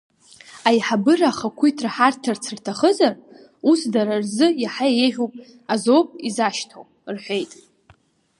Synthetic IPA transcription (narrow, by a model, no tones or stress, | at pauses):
ajħabɨraːχakʷʰuitʰraħartʰart͡sʰɨrtʰaχəzar | usdaɾarzɨjaħajajeʒʲᶣopʼ | azo̞wpʼizaʃtʰo̰w | rħʷe̞jtʼ